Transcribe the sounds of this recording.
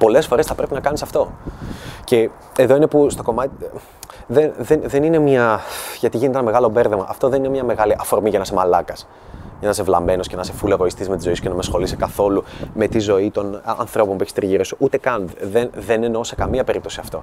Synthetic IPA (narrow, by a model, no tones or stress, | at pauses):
po̞le̞sfo̞ɾesθɐpɾe̞pinɐkɐnisɐft̪o̞ | ce̞ | eðo̞inepust̪o̞ko̞mɐt̪i | ðenðenðe̞nine̞mɐʝɐt̪iʝinet̪eenɐme̞ɣɐlo̞be̞ɾðemɐ̰ʔɐft̪o̞ðeninemɲɐme̞ɣɐliʔɐfo̞ɾmiʝɐnɐse̞mɐlɐkɐs | ʝɐnɐse̞vlɐme̞nosce̞nɐse̞fuleɣo̞ist̪iszme̞t̪izo̞isucenɐmesxo̞lise̥kɐθo̞lume̞t̪izo̞it̪o̞nɐ̰nθɾo̞pompueçist̪ɾiʝiɾosuʔut̪e̞kɐnðenðe̞nenosekɐmiɐpe̞ɾip̚t̪o̞siɐft̪o̞